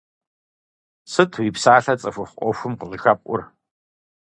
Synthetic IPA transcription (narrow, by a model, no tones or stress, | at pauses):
sɨtʰwiːpsaːɬɐt͡sʼɐfʷʊχʷɔfʷʊmqəɮɨxapʷʼʊ̰r